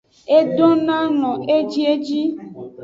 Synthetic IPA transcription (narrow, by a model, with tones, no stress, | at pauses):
e˦ɖɔ˦nã˦nɔ̃˨ʔe˦d͡ʒi˦e˦d͡ʒi˦